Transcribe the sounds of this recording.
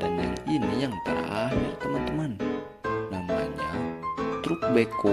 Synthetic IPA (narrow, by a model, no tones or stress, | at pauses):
danja̰ŋinijaŋt̪a̰ʔaɦirt̪əmant̪əman | nama̰ɲat̪ɾʊk̚beko